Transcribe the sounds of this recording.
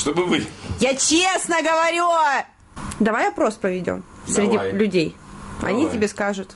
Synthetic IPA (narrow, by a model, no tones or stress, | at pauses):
ʂt̪obɨvɨjat͡ɕesnəɡəvɐɾʲu | d̪ɐvajɐpɾo̞spɾəvʲɪdʲo̰n | sɾʲɪdʲilʲʉdʲejɐ̰nʲitʲɪbʲeskaʐʊt̪